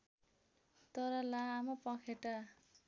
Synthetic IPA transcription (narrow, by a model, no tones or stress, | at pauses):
t̪ʌɾʌlaːmʌpʌkʰeʈa